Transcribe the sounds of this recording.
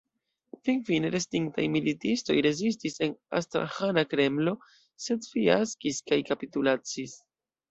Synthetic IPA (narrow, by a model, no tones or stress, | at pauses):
finfine̞ɾestɾiŋk̚ta̰jmilitisto̞̰jɾe̞zis̬tise̞na̰stɾa̰hanakɾe̞mlo̞ | se̞dfiaskiskajkapitulat͡sis